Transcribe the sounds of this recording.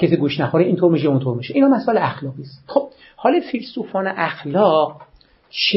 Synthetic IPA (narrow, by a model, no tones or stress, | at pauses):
kʰesiːɡuːʃnæxoɾiiːnt̪ʰoɾmiːʃ̬eunt̪ʰoɾmiʃeʔiːnhɒːmæsɒːeleæxlɒːɣiːst̪xob̥̚ | hɒːlɒfilsuːfɒːneʔæxlɒːɢ | t͡ʃʰ